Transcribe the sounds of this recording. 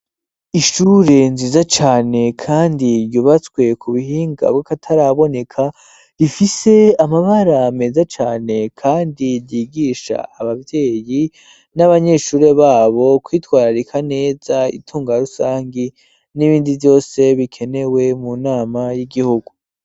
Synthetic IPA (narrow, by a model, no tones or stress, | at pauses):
iʃuːɾe̞nziːzat͡ʃaːne̞kʰaːndiɾjuβat͡skwe̞kʰuβihiːŋɡa̰bɡakatʰaɾaβo̞ne̞kʰa | ifise̞amaβaɾame̞zat͡ʃaːne̞kʰaːndiɾjiːɡiʃa̰ːβavje̞ːji | naβaɲe̞ʃuːɾe̞βaːβo̞kwiːtwaːɾaɾikʰane̞ːz̥aḭtʰuːŋɡaɾusaːŋɡi | niβiːndivjo̞ːse̞βikʰe̞ne̞we̞munaːmajiɡihuɡu